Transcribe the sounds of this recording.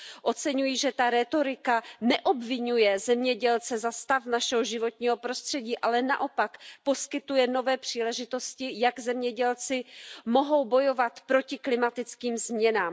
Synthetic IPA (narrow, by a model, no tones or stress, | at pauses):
ʔo̞t͡sɛɲujiʒɛt̪aɾɛt̪o̞ɾɪkanɛʔobvɪɲujɛzɛmɲɛɟɛlt͡sɛzast̪afnaʃɛɦoʒɪvo̞t̪̚ɲiːɦo̞pɾo̞st̪r̝̥ɛɟiːʔalɛna̰ʔo̞pakpo̞skɪt̪ujɛno̞vɛːpr̝̥iːlɛʒɪt̪o̞scɪjaɡzɛmɲɛɟɛlt͡sɪmo̞ɦo̞wbo̞jo̞vat̪pɾo̞cɪklɪmat̪ɪt͡skiːmzmɲɛnaːm